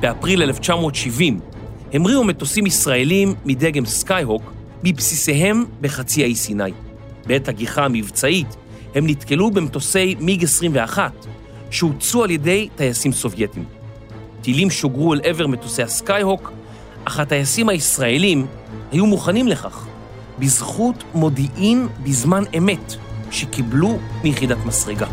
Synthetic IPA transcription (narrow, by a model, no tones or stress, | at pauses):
b̥e̞apʁileleft͡ʃamo̞ːtʃivim | he̞mʁiume̞to̞simisʁae̞limːideɡe̞mskajɦo̞k | mipsise̞ɦe̞mbe̞χat͡siaisinaj | beethaɡiχaːmivt͡sait | he̞mnitke̞lubemto̞se̞jmiɡesʁimveaχat | ʃeut͡sualje̞de̞jtajasimso̞vje̞tim | tilimʃo̞ɡʁuelʔe̞ve̞ʁmetosejaskajho̞k | ʔaχatajasimhaisʁae̞lim | hajumuχanimle̞χa̰χ | bizχutmo̞diʔimbizmaneme̞tʃe̞kiblumijχidatmasʁeɡa